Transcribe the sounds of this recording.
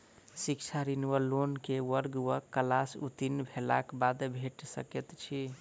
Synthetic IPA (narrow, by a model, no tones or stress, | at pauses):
sik̚t͡ʃʰaɾinwəlonkewəɾɡwəkːəlasṵt̪inbʱela̰kbad̪bʱeʈsə̰ket̪t͡ʃʰi